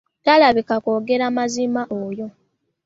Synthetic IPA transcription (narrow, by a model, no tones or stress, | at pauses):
talaβikakoːɡe̞ɾamazimaʔoːjo̞